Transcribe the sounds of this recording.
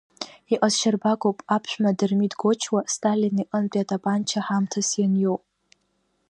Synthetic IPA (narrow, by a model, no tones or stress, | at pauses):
iqʼazʃarbaɡʷʼowpʼapʰʃᶣʷmadɨrmidɡot͡ʃʰwastʰʼaliniʔʼənt͡pʼiatʰʼapʼant͡ʃʰaħamtʰasjanjowpʼ